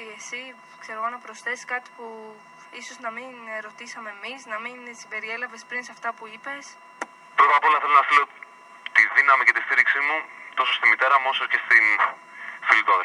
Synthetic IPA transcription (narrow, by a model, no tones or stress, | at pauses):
esi | kse̞ɾoɣonɐpɾo̞sθe̞skɐt̪i̥pu | iso̞znɐminɾo̞t̪isɐmeːmisnɐminsibe̞ɾie̞lɐve̞spɾinsɐft̪ɐpuipe̞s | pɾo̞t̪ɐpo̞lɐθe̞lonɐθilo̞ | t̪iðinɐmice̞t̪ist̪iɾiksimut̪o̞sost̪imit̪e̞ɾɐmosɐscest̪in | filiðo